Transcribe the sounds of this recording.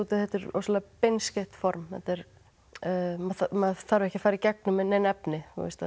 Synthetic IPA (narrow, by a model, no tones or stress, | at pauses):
ut̪ɪθɛt̪ɪɾo̰slapejnscɛht̪fɔɾmθɛ̰t̪ɛɾ | maθamaðθaɾvɪɛhcɪ̥faːjɾicɛk̚nʏmɛðnenɛpnɪθṵvɪ̰st̪a